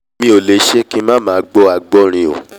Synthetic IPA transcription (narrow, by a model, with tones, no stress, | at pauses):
mĩ˦o˨le˨˦ʃe˦ki˦mã˦mãː˨˦ɡ͡bɔ˦a˨˧ɡ͡bɔ˦ɾ̃ĩ˧o̰˨